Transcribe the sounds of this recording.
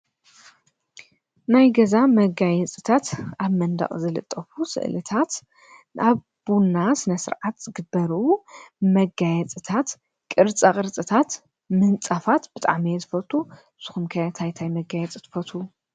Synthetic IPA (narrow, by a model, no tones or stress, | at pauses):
najɡɐzamɐɡajɛt͡sʼɨt̪ʰat̪aβmɐnd̪ɐ̰χʼzɨlɨ̰t̪ʼːɐfusɨ̰ʔlɨt̪ʰat̪ | ʔaβ | bunːasɨnɐsɨ̰ɾʕat̪zɨɡɨbːɐɾumɐɡajɛt͡sʼɨt̪ʰat̪ | kʼɨɾt͡sʼakʼɨɾt͡sʼɨt̪ʰat̪ | mɨnt͡sʼafat̪b̥ɨt̪ʼa̰ʕmijɛzɨfɐt̪ʰʼu | sɨxumkʰɐjat̪ʰajt̪ʰajmɐɡajɛt͡sʼɨt̪ʰɨfɐt̪ʰu